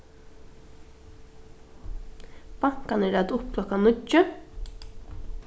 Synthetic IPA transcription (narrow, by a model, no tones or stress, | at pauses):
b̥aŋ̥kanɛɾæd̪ʊpkʰlɔkanʏt͡ʃːə